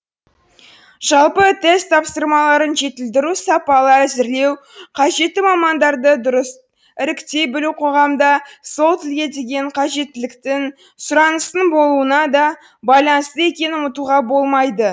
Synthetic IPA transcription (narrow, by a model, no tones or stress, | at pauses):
ʒ̥ɑlˠpət̪ʰe̞st̪ʰːɑpsəɾmɑlˠɑɾənʒe̞t̪ɪld̪ɪɾusɑpɑlˠəæzɪɾle̞w | qʰɑʒe̞t̪ːɪmɑmɑnd̪ɑɾd̪əd̪ʊɾəs | ɪɾɪkt̪e̞bɪluwqʰo̞ʁɑmd̪ɑso̞lˠt̪ɪlɡʲe̞d̪e̞ɡʲe̞ɴqʰɑʒe̞t̪ːɪlɪkt̪ɪŋ | sʊɾɑnəsənbo̞lˠuənɑd̪ɑ | bɑjlˠɑnst̪əe̞kʲe̞nʊmət̪uʁɑbo̞lˠmɑjd̪ə